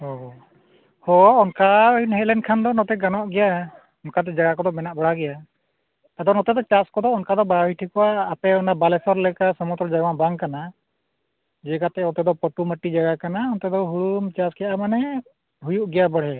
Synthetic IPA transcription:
ɔ | hɔɔnkainɦɛlɛnkʰand̪ɔnɔt̪ɛɡanɔʔɡɛja | ɔnkat̪ɛd͡ʒaɡakɔd̪ɔmɛnaʔbɔɽaɡɛja | ad̪ɔnɔt̪ɛd̪ɔt͡ʃaskɔd̪ɔɔnkad̪ɔbawiʈʰikɔwaːpɛɔnabalɛsɔɾlɛkasɔmut̪ɾɔd͡ʒaɡawabaŋkana | d͡ʒɛkat̪ɛɔt̪ɛd̪ɔpɔʈuməʈid͡ʒaɡakanaɔnt̪ɛd̪ɔɦuɽumt͡ʃaskɛjaʔamanɛ | ɦujuʔɡɛjabəɽɦɛ

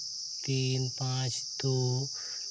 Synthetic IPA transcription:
t̪inpat͡ʃd̪̥u

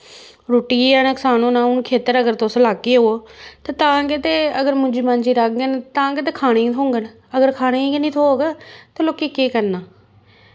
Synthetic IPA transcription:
ɾoːʈiːaːnaksaːnũːnaːʊnkʰeːt̪əɾəɡəɾt̪oslaːkːeːɦoːt̪eːt̪ãːɡeːt̪eːəɡəɾmʊ̃d͡ʒiːmand͡ʒiːɾək̚ɡent̪ãːɡeːt̪̬eːkʰaːɽẽːt̪ʰõːŋɡən | əɡəɾkʰaːɽ̃eːɡnĩːt̪ʰoːɡeːt̪eloːkiːkeːkəɾnaː

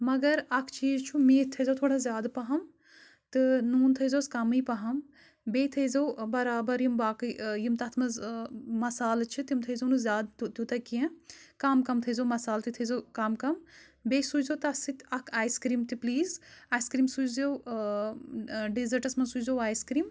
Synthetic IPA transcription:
mɐɡɐɾɐkʰt͡ʃiːzt͡ʃʰumeːt̪ʰɐjzɐwt̪ʰoːɽazʲjaːd̪pɐɦɐm | t̪ɨnuːnt̪ʰɐzoːskɐmɨjpɐɦɐm | beːt̪ʰɐjzɐwbɐɾaːbɐɾjimbaːkɨjimt̪ɐt̪ʰmɐzmɐsaːlt͡ʃʰit̪jimt̪ʰɐjzɐnɨzʲjaːd̪t̪t̪ut̪ɐkiẽkaːmkɐmt̪ʰɐjzɐwmɐsaːlt̪it̪ʰɐzɐwkaːmkɐm | beːsuzɐwt̪ɐsɨt̪ʲɐkʰaːjskɾiːmt̪ipliːzaːjskɾiːmsut͡ʃzɐw | ɖizɐɾʈɐsmɐnsut͡ʃzɐwaːjskɾiːm

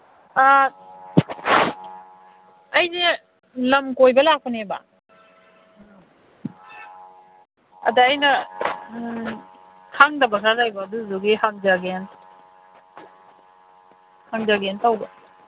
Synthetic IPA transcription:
a | jne | lɐmkojbɐlak̚pʰɔneba̰ | ɐdaːjnɐ | tʰaŋdɐbɐsaɾajbaːduzuɡihaŋzaɡen | haŋzaɡentawbɐ

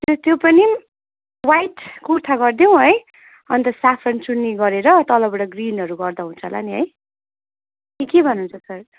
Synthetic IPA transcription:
t̪ot̪jopʌni | wajʈkut̪ʰaɡʌrd̪jow̃ɦʌj | ʌnt̪ʌsapʰʌnt͡sunːiɡʌɾeɾʌt̪ʌlʌbʌɽʌɡrinʌɾuɡʌrd̪aɦunt͡sʰʌla̰niɦʌ̰j | kekebʱʌnunt͡sʰʌsʌr

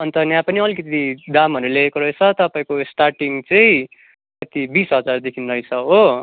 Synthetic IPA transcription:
ʌnt̪ʌnjãpʌniʌlikʌt̪iid̪amɦʌɾuleekoɾʌet͡sʰʌt̪ʌpaĩkosʈarʈiŋɡt͡sʌĩ | kʌt̪ibisʌd͡zard̪ekʰinrʌjt͡sʰʌɦo

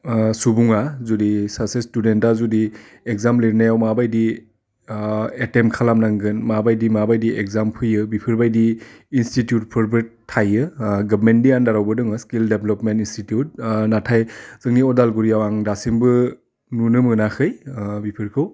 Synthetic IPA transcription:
subuŋazudisasestudentazudi | ek̚zamleɾnajawmabajdi | etemkʰalamnaŋɡɯnmabajdimabajdiʔekzampʰɯjɯbipʰɯɾbajdiːnstitjut̚pʰɯɾbɯɾtʰajɯɡabmendiandaɾawbɯdɯŋɯskildeblɔpmentinstitijut̚natʰajz̥ɯŋniɔdalɡuɾijawaŋdasiŋbɯ | nunɯmɯnakʰɯjbipʰiɾkʰɯw

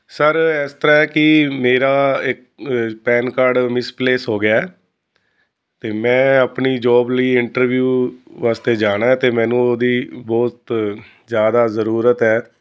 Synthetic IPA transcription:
səɾɛːst̪əɾaːɛkɪmeːɾaːɪk | pɛːnkaːɾɖmɪspleːsɦoːɡɪaːɛː | t̪eːmɛ̃ːəpniːd͡ʒɔːbliːɪɳʈəɾʋjuːʋaːst̪eːd͡ʒaːɽ̃aːɛːt̪eːmɛ̃ːnũːod̪iːbɔːt̪ | zjaːd̪aːzəɾuːɾət̪ɛː

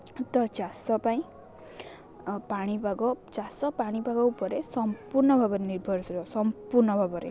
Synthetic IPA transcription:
t̪ɔt͡ʃasɔpaĩ | paɽ̃ibaɡɔt͡ʃasɔpaɽ̃ibʱaɡɔupɔɾesɔmpuɾnɔbʱabɔɾeniɾbʱɔɾsɾɔsɔmpuɾnɔbʱabɔɾḛ

